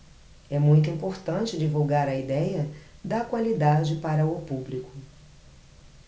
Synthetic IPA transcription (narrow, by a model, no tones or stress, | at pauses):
ɛmũj̃t̪̬ʊĩmpoɾt̪ɐ̃t͡ʃɪd͡ʒivuwɡaɾɐid̪ɛjɐd̪ɐkwalid̪ad͡ʒɪpaɾɐʊpublikʊ